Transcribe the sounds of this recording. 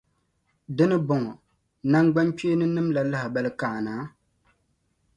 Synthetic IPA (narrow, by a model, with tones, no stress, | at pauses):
dɨ˦nɨ˦bɔ˨ŋɔ˨ | na˦ŋɡ͡ba˦nt͡ʃe˦nɨ˦nɨ˦mla˨la˦hɪ˨ba˦lɨ˦kaː˨naː˨˦